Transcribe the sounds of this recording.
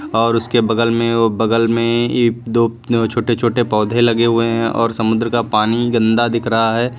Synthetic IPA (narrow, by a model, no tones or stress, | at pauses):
ɔːɾʊskebɐɡəlmẽobɐɡəlmẽed̪oː | t͡ʃʰoːʈet͡ʃʰoːʈepɔːd̪ʱẽlɐɡeɦʊeɦɛ̃ʔɔ̰ːɾsɐmʊd̪ɾəkapaːniɡɐ̃nd̪ad̪ɪkʰɾɐɦaɦɛː